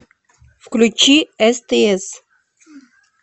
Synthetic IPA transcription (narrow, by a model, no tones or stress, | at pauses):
fklʲut͡ʃiɛst̪eɛs